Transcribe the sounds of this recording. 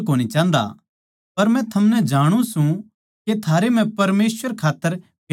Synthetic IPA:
kɦoːñit͡ʃãːnd̪a̰ | pɐɾmɛ̃t̪ʰɐmnɛ̃d͡ʒaːɽ̃ũsũ | ket̪ʰaːɾem̤ɛ̃pɐɾmeːswəɾkʰaːt̪ːəɾ | b

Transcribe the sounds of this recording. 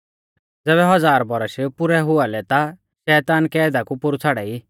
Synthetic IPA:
d͡zɛːβɛɦɔd͡zaːɾbɔɾəʃpʊɾɛɦʊalɛt̪a | ʃɛːt̪aːnkɛːd̪akupʊɾut͡sʰaɽɛi

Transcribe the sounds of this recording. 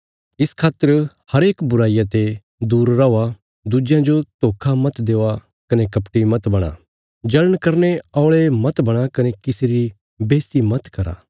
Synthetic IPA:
ɪskʰaːt̪ːəɾ | hɐɾeːkbʊɾaːɪjat̪e | d̪uːɾːaoa | d̪ud͡ʒjãd͡ʒot̪oːkʰamɐt̪d̪eːa | kɐnekɐpʈimɐt̪bɐɽ̃a̰ | d͡ʒɐləɽ̃kɐɾneɔːɭemɐt̪bɐɽ̃akɐnekɪseɾi | beːst̪imɐt̪kɐɾa̰ː

